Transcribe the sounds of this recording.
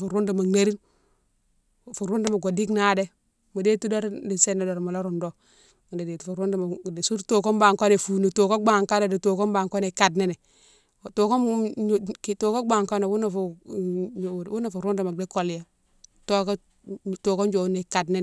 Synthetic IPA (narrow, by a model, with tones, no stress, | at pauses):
fu˨ɾu˦nda˨ma˨ne˨ɾi˦n | fu˨ɾu˦nde˦˨ma˨ɡo˨di˦kna˦de˦ | ma˨de˦tu˦do˦ɾdi˨se˦nːe˦do˨ɾma˨la˦ɾu˨ndo˦ | ma˨de˨di˨tfu˨ɾu˦nde˨ma˨su˦ɾto˨ko˦mba˨ŋko˦ne˨fu˨ni˨to˨ko˦ɡ͡ba˨ŋka˦ne˨de˨to˨ko˦mba˨ŋko˦ne˨ka˨dne˦ne˨ | to˨ko˦m˦˨ki˨to˨ko˦ɡ͡ba˨ŋka˦ne˨wu˦na˨fu˨˦ | wu˦na˨fu˨ɾu˦nde˨ma˨ɡ͡be˦ko˨lja˦ | to˦ka˦ | to˨ko˦nd͡ʒo˨˦ne˨ka˨dne˦n˨